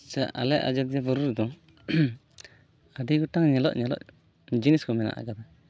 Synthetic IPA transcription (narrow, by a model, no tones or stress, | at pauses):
t͡ʃaʔa̰lɛʔa̰d͡ʒat̪̚d͡ʒɛbɔɾuɾd̪ɔ | aɖiɡɔʈaŋɲɛlɔ̰ʔɲɛlɔ̰ʔ | d͡ʒiniskɔmɛna̰ʔa̰kad̪a